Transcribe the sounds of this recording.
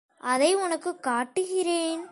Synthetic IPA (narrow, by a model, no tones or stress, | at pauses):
ʔɐðɐɪʊnɐkːɯkːaːʈːɯɣɪɾeːn